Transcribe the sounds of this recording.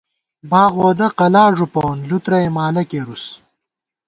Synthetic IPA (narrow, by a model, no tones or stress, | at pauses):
baːɣoːd̪ɐqɐlaːʐupɐwnlut̪ɾɐemaːlɐkeːɾus